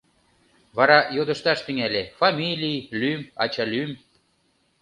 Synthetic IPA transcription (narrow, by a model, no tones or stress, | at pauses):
βɑɾɑjod̪əʃt̪ɑʃt̪yŋælʲefɑmʲilʲijlymɑ̰t͡ɕɑlym